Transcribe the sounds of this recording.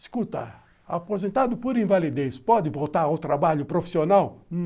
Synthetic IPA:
skut̪ɐ̰ | apozẽnt̪ad̪ʊpoɾĩvalid̪espɔd̪ɪvowt̪aɾawt̪ɾabaʎʊpɾofi̥sionaw

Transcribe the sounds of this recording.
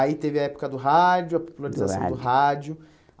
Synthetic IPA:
ait̪evɪɐɛpʊ̥kɐd̪ʊɦad͡ʒjʊɐpo̥pulaɾizasɐ̃w̃d̪ʊɦad͡ʒʊ

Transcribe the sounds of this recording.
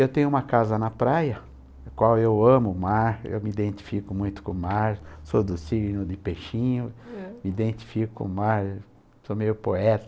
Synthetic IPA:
ewt̪ẽɲʊ̃ũmɐkazɐnɐpɾajɐ | kwawewɐ̃mʊmaɾḛwmɪid̪ẽnt̪i̥fikʊmũj̃t̪ʊ̥kõmaɾsod̪ʊsiɾinʊd̪ɪpeʃĩɲʊmiid̪ẽnt̪i̥fikʊ̥kõ̰maɾ | somejʊpoɛt̪ɐ̥

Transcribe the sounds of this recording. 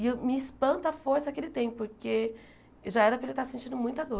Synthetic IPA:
ɪewmɪispɐ̃nt̪ɐɐfoɾsɐkɪelɪt̪ẽj̃poɾke | ʒaɛɾɐpɾɐelɪt̪asẽnt͡ʃĩd̪ʊmũj̃t̪ɐd̪o

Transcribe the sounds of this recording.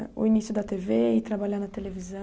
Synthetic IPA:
ṵinisjud̪ɐt̪eveit̪ɾabaʎanɐt̪elevizɐ

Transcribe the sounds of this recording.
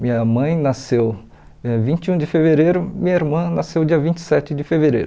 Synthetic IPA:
mĩɲɐmɐ̃j̃nasew | vĩt͡ʃiũd͡ʒɪfeveɾejɾʊmĩɲɐiɾmɐ̃nasewd͡ʒiɐvĩt͡ʃɪ̥sɛt͡ʃɪd͡ʒɪfeveɾḛjɾʊ

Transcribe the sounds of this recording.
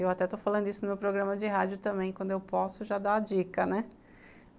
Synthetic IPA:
ewat̪ɛt̪ofalɐ̃nd̪ʊisʊnʊmewpɾoɡɾɐ̃mɐd͡ʒɪɦad͡ʒjʊt̪ɐ̃mbẽj̃kwɐ̃d̪ʊewpɔsʊʒad̪aad͡ʒikɐnɛ

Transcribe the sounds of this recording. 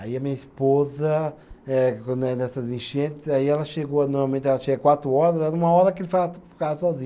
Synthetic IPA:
aiɐmĩɲɐispozɐɛknɛnɛsɐzĩʃẽnt̪ɪ̥zaiɛlɐʃeɡonɔɾmawmẽnt̪ɛlɐʃeɡɐkwat̪ɾʊɔɾɐzd̪ɛũmɐɔɾɐkelfat̪fkasɔzĩɲ

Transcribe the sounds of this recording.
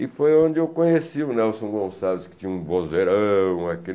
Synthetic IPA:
ɪfojõnd͡ʒɪewkõɲesiʊnɛwsõw̃ɡõsavɪskɪ̥t͡ʃ̪ĩɲɐũvozeɾɐ̃ũake

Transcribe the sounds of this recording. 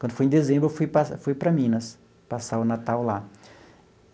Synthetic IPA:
kwɐ̃d̪ʊfojẽd̪ezẽbɾʊefujpasfujpɾɐmĩnɐs | pasaʊnat̪awla

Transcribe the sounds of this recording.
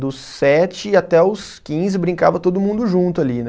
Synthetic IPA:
d̪ʊs | ɛt͡ʃɪat̪ɛʊs | kĩzɪbɾĩŋkavɐt̪od̪ʊmũnd̪ʊʒũnt̪ʊalin

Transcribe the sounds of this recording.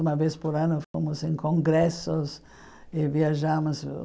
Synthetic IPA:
umɐvespoɾanʊfomʊsẽŋkõŋɡɾɛsʊs | ɪviaʒamʊs

